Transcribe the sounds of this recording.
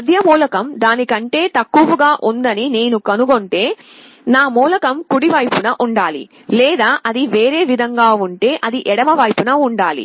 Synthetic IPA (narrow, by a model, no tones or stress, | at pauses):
ɐd̪ʱjɐmuːlɐkɐmd̪aːnikɐɳʈe̞ːt̪ɐkːuʋuɡaːʔund̪ɐnine̞ːnukɐnuɡo̞ɳʈe̞ː | naːmuːlɐkɐmkuɽiʋɐjpunɐʔuɳɖaːlḭ | lɛːd̪aːʔɐd̪iʋe̞ːɾe̞ːʋid̪ʱɐŋɡaːuɳʈe̞ːʔɐd̪iʔɛɽɐmɐʋɐjpunɐuɳɖaːlḭ